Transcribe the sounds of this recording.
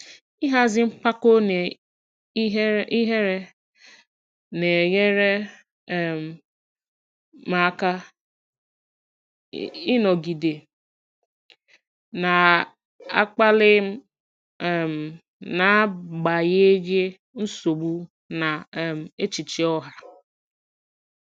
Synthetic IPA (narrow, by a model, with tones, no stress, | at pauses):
i˦ɦa˦zɪ˦m̩˦pa˦ko˦ne˨˦ | ɦi˦ɦe˦ɾe˦ | ne˨ɣe˦ɾe˦˨ | m̩˨ | ma˨˦ka˦ | ɪ˦nɔ˨ɡi˨de˨ | na˨ | a̰˦k͡pa˦lɪ˦m̩˦˨ | m̩˨ | na˨˦ɡ͡ba˨je˦ɡe˦ | n̩˦so˨ɡ͡bu˦ | na˨m̩˨e˦t͡ʃi˨t͡ʃi˨ɔ˦ɦa˨